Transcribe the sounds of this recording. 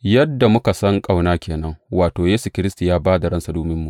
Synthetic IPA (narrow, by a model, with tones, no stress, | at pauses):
jɐ˦dːa˨mʊ˦ka˨sɐ˦ŋkʼa˦˨wnaː˦kʲʰeː˨nɐ˦ŋwaː˨toː˨jeː˦su˨kʲɪ˦ɾɪ˦sti˨jaː˦baː˦da˨ɽɐ˦nsa˨duː˦mɪ˦mːu˨ʔ